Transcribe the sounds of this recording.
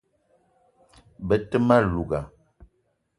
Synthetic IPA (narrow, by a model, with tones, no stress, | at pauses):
bə˦tə˦ma˦lu˨ɡa˨